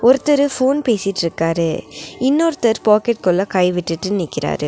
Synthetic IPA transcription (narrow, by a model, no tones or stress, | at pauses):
ɔɾɯt̪ːɐɾɯfoːnpeːsɪʈːɪɾɯkːaːɾɯɪnːoɾɯt̪ɐɾpaːkɛʈ̚kɔlːɐkɐɪʋɪʈːɯʈːɯnɪːkːɪɾa̰ːɾɯ